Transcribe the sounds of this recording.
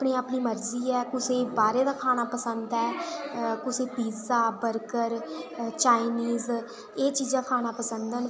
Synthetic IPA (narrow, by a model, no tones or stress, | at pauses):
pniːaːpniːməɾziːɛːkʊseːbaːɾeːd̪aːkʰaːnaːpəsənd̪ɛːkʊseːpiːzaːbəɾkəɾt͡ʃaːiniːz | eːt͡ʃiːd͡ʒ̪aːkʰaːnaːpəsənd̪ən